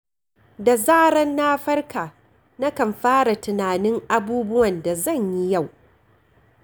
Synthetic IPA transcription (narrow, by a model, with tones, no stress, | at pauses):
da˨zaː˦ɽɐ˦nːaː˦ɸɐ˦rkaː˨ | na˦kɐ˨mɸaː˦ɽa˨tɪ˨naː˨nɪ˦ŋʔa˦buː˦bʊ˦wɐ˨nda˨zɐ˦˨ɲji˦ja˦˨w